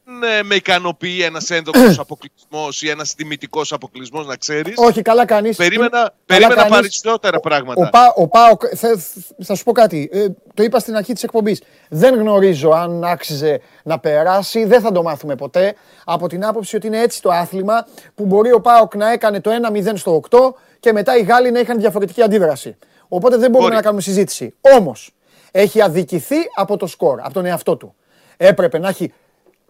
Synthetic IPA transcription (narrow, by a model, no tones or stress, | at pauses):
nmeikɐno̞piie̞nɐse̞nðoos̬ɐpo̞klizmo̞sienɐst̪imit̪iko̞sɐpo̞klizmo̞znɐkse̞ɾiso̞çikɐlɐkɐnispeɾimenɐkeɐɾiɐmenɐnɐɾisot̪eɾɐpɾɐɣmɐtoɐpɐʔopɐokθθɐsu̥po̞kɐt̪it̪o̞ipɐst̪inɐɾçit̪isek̚po̞mbis | ðe̞ŋɣno̞ɾizo̞ɐnɐksize̞ | nɐpe̞ɾɐsiðe̞nθɐd̪o̞mɐθume̞po̞t̪e̞ | ɐpo̞t̪inɐpo̞psio̞t̪iine̞e̞t͡si̥t̪o̞ɐθlimɐpubo̞ɾio̞pɐoknɐe̞kɐne̞t̪o̞e̞nɐmiðe̞nst̪o̞ːkt̪o̞ | ce̞me̞t̪ɐiɣɐlinɐixɐnðjʝɐfo̞ɾe̞t̪iciɐnd̪iðɾɐsi | o̞po̞t̪eðe̞boume̞nɐkɐnumesizit̪i̥sḭo̞mo̞s | e̞çiɐðiciθiɐpo̞t̪o̞sko̞ɾɐ̰pot̪o̞ne̞ɐft̪o̞t̪u | e̞pɾe̞pe̞nɐçi